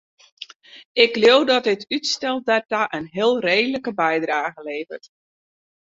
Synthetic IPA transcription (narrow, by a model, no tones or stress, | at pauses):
ɪkljowdɔt̚ɪtʰytstɛl̚ˠdataʔənɦɪəlˠreːdələkəbɛjdraːɣəleːvərt